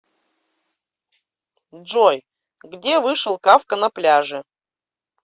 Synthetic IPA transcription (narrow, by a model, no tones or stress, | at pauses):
ʐoj | ɡdʲevɨʂɨlˠkafkənɐplʲaʐɨ